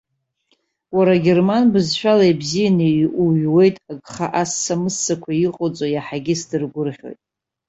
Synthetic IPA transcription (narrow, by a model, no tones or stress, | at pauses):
waɾaɡʲe̞rmanbɨzʃᶣalajbzijanɨʔuɥwe̞jtʼaɡʼχaʔasːamɨsːakʷʰaiqʼot͡sʼojaħaɡʲɪsdɨrɡʷʊrχʲo̞̰jtʼ